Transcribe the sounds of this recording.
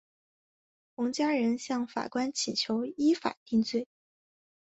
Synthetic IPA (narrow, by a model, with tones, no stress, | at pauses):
xʊ˧˥ŋt͡ɕja˥ɻə˧˥nɕjɑ˥˩ŋfa̰˨˩kwa˥nt͡ɕʰi˨˩t͡ɕʰjo˧˥ʊi˥fa̰˨˩t̪i˥˧ŋt͡swe˥˩ɪ